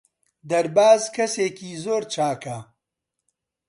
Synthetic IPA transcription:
d̪ɐɾbaːzkʰɐseːkiːzoːɾt͡ʃʰaːkɐ

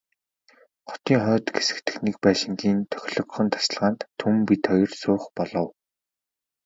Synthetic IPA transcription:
χɔ̥t̪iːŋχœːt̪ɡesɘ̥̆kt̪ʰɘ̆xnek̚pæːʃɪ̆ŋɡiːnt̪ʰœ̥xʲɮɞ̆kχɞ̆nt̪ʰḁs̆ɮʁaːnt̪ʰːumpit̪ʰɔjɞ̆rsʊːχpɔɮɞ̆w

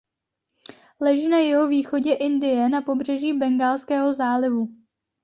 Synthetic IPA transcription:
lɛʒiːnajɛɦo̞viːxo̞ɟɛʔɪndɪjɛnapo̞br̝ɛʒiːbɛŋɡaːlskɛːɦo̞zaːlɪvu

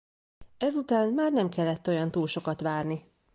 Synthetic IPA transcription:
ɛzut̪aːnmaːrnɛmkɛlːɛt̪ːo̞jɒnt̪uːlʃo̞kɒt̪ʋaːrni

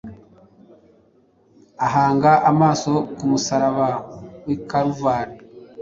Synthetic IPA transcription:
aɦaːŋɡaʔamaːso̞kumusaɾaβawikaɾuvaːna

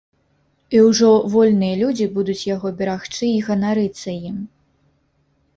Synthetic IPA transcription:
iwʐɔvɔlʲnɨjɐlʲud͡zʲibud̪ut͡sʲjaɣɔbʲɛɾaxt͡ʂɨiɣɐnaɾɨt̪sːɐjim

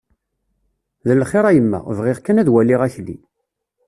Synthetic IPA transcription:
ðəlχeɾˤæjəmːæ̰vʁeʁkːænæðwælːiʁæçlːḭ

